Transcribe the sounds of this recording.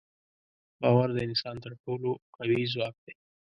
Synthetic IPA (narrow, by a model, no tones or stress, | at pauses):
bɑwaɾd̪əɪnsɑnt̪əɾʈoloqawizwɑk̚d̪ej